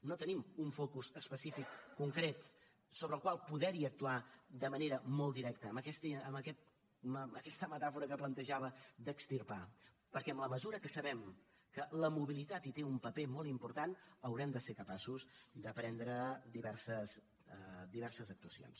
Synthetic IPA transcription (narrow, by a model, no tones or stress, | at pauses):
not̪ənimuɱfɔkuzəspəsifikːuŋkɾet̪ | soβɾəlˠkwalˠpuðɛɾiək̚t̪uad̪əməneɾəmolˠtd̪iɾɛk̚t̪əːməkɛst̪iəməkɛt̪̚ | məkɛst̪əmət̪afuɾəkəplənt̪əʒaβəd̪əkst̪irpa | pəɾkɛəmləməzuɾəkəsəβɛm | kələmuβilit̪at̪it̪eumpəpemɔlˠimpuɾt̪anəwɾɛmd̪əseɾkəpasuzd̪əpɾɛnd̪ɾəd̪iβɛrsəs | d̪iβɛrsəzək̚t̪uəsio̰ns